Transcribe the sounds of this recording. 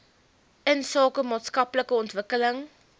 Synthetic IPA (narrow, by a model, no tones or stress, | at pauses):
ənsɑːkəmɑːtskɐpləkəɔntvəkələŋ